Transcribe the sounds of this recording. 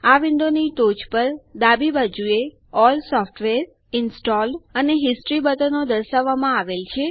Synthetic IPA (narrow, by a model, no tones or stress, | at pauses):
aʋɪ̃nd̪onit̪od͡ʒpəɾd̪abibad͡ʒue | ɔlsɔfʈʋeɾ | ɪnsʈɔlɖəneɦɪsʈɾibəd̪ənod̪əɾʃaʋːamãaʋelt͡ʃʰe